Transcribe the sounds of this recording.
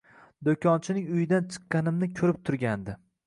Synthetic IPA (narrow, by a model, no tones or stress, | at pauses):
d̪okʲʰɒnt͡ʃʰɪnɪŋʊjɪd̪ant͡ʃʰɨ̥qːɑnɪmnɪkʲʰɵɾɪp̚t̪ʰʊɾɡʲand̪ɪ